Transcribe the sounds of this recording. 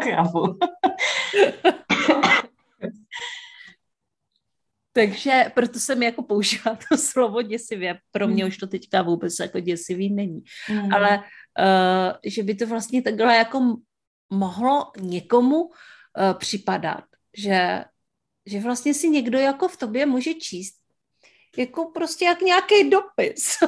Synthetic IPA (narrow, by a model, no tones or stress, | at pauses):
kavu | t̪aɡʒɛpɾot̪osɛmjako̞pouʒiːvalt̪ʰoslo̞vo̞ɟɛsɪvjɛpɾomɲɛuʃt̪o̞t̪ɛckavuːbɛt͡sjako̞ɟɛsɪviːnɛɲialɛ | ʒɛbɪt̪ovlast̪ɲɛt̪aɡlɛjako̞ | mo̞ɦloɲɛko̞mu | pr̝̥ɪpada̰t̪̚ | ʒɛ | ʒɛvlast̪ɲɛsɪɲɛɡdo̞jako̞ft̪o̞bjɛmuːʒɛt͡ʃiːst̪̚ | jako̞pɾoscɛjakɲakɛjdo̞pɪs